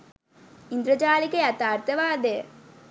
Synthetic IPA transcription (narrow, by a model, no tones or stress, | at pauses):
ind̪ɾəd͡ʒaːlikəjat̪aːrt̪əʋaːd̪ejə̰